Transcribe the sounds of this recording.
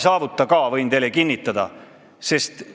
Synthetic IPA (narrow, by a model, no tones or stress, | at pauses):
sɑːvut̪ːˑɑkɑːvɤjnt̪e̞lːekinʲːit̪ːˑɑd̪ɑ̰ | se̞st̪